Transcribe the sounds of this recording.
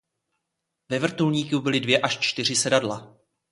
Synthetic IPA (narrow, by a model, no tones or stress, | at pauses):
vɛvr̩t̪ulɲiːkubɪlɪdvjɛʔaʃt͡ʃt̪ɪr̝ɪsɛdadla